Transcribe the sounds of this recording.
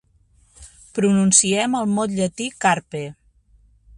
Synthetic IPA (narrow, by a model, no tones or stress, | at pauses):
pɾununsiɛməlˠmɔt̪ʎət̪ikaɾpe